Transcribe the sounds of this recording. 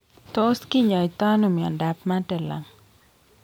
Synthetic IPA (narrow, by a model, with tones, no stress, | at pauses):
t̪o˦ski˦ɲɔ˨i˨t̪a˦nu˨mi˨ɔ̰˨nda˨pma˦tɛ˨la̰˨ŋ